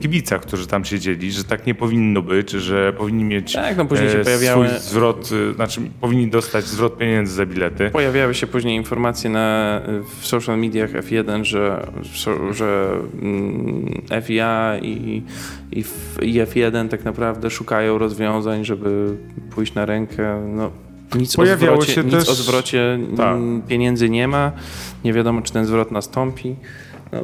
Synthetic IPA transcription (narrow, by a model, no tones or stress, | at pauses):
kʲibʲit̪sak̚t̪uʐɘt̪amɕed͡ʑelʲiʐɛt̪akɲɛpɔvʲinːɔbɘd͡ʑʐɛpɔvʲiɲːimʲjet͡ɕt̪a̰knɔpuʒʑɲejɕɛɔjavʲjawujɘzvɾɔt̪at͡ʂɘpɔvʲiɲːid̪ɔst̪ad͡ʑzvɾɔt̪̚pʲjeɲɛnd̪zɘzabʲilɛt̪ɘpɔjavʲjawɘɕɛpuʑɲejinfɔɾmat̪sʲjɛnafsɔwʂalmʲid̪ʲjaxɛ̰fjɛd̪ɛnʐɛfsɔʐɛ | ɛfiaḭ | ḭfiɛfjɛd̪ɛnt̪aknapɾavd̪ɛʂukajɔ̃w̃ɾɔzvʲjɔ̃w̃zaɲʐɛbɘ | pujɕt͡ɕnaɾɛŋkʰɛnɔ | ɲit̪spɔjavʲɾaɔwɛɛɲiɛsɔzvɾɔt͡ɕɛapʲjeɲɛnd̪zɘɲɛmaɲɛvʲjad̪ɔmɔt͡ʂɨ̥t̪ɛnzvɾɔt̪nast̪ɔmpʲi | nɔ̰